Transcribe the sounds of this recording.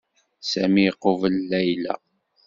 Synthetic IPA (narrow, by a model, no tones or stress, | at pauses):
sæmiqːovəlːæjlæ̰